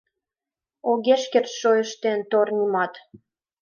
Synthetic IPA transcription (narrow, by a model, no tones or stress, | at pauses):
oɣeʃkerʃojəʃt̪ent̪ornʲimɑt̪